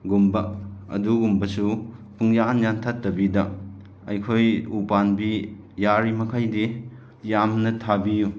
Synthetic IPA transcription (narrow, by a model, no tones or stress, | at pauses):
ɡumbɐɐ̰duɡumbɐsupʰuŋjanjantʰatːɐbidɐ | ɐjkʰojupanbi | jaɾimɐkʰajdi | jamnɐtʰabiju